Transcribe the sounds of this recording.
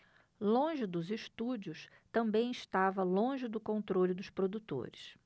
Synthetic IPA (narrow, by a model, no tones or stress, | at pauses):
lõʒɪd̪ʊzɪʃt̪ud͡ʒiʊs | t̪ɐ̃mbẽj̃ɪʃt̪avɐlõʒɪd̪ʊkõnt̪ɾolʲʊd̪ʊspɾod̪ut̪o̰ɾɪs